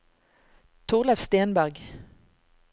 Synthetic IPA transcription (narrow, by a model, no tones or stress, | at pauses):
t̪ʰʊʁlæʋst̪eːnbæʁɡ